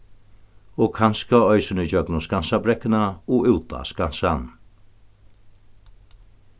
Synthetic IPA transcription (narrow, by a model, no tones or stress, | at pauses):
oːkʰanskaœʏsənɪd͡ʒœɡnʊskansabɾɛkənaoːʔʉwt̪a̰skansan